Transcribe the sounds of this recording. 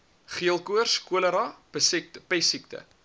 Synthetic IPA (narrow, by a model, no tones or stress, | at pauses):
χiəlˠkuərskuələɾɑpəsik̚tpɛsik̚tə̰